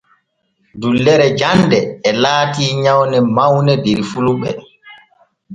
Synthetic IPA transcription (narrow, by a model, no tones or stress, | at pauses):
dulːɛɾɛd͡ʒandɛːlaːtiːɲawnɛmawnɛdiɾfuluɓɛ̰